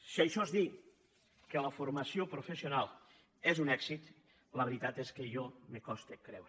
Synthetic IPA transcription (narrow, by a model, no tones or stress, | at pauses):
siajʃɔzði | keləfuɾmasiopɾufesionalˠ | ezunɛksit̪ | ləβɾit̪at̪eskeʒɔmekɔst̪ekɾɛwɾ